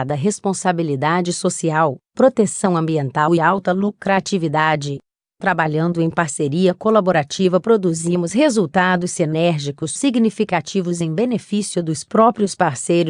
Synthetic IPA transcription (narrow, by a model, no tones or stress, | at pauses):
d̪ɐɦespõsabilid̪ad͡ʒɪsosiawpɾot̪esɐ̃w̃ɐ̃mbiẽnt̪awɪawt̪ɐlukɾat͡ʃivid̪ad͡ʒɪ | t̪ɾabaʎɐ̃nd̪ʊẽj̃paɾseɾiɐkolaboɾat͡ʃivɐpɾod̪uzimʊshezuwt̪ad̪ʊsenɛɾʒikʊsːiɡnifikat͡ʃivʊzẽj̃benefisjʊd̪ʊspɾɔpɾjʊspaɾsejɾʊ